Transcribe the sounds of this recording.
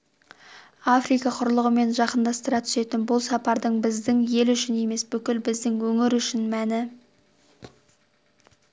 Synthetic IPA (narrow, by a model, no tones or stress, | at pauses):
afrijkɑqʰʊɾlˠəʁəme̞nʒɑqənd̪ɑst̪əɾɑt̪ʰʏ̥se̞t̪ɪnbʊlˠsɑpɑɾd̪əɴbɪzd̪ɪŋje̞lʏʃɪne̞me̞sbʏkʲɪlbɪzd̪ɪŋwɵŋɪɾʏʃɪnmænɪ